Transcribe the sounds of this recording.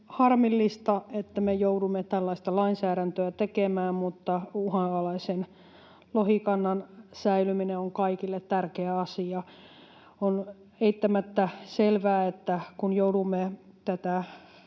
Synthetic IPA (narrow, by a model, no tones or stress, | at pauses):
hɑrmilːist̪ɑet̪ːæmejoudumːet̪ælːɑist̪ɑlɑinsæːɾænt̪øæt̪ekemæːmmut̪ːɑuhɑɑlɑisen | lohikɑnːɑnsæilymineoŋkɑikilːet̪t̪ærkeæɑsiɑ | on | eit̪ːæmæt̪ːæselʋæːet̪ːækunjoudumːe | t̪æt̪æ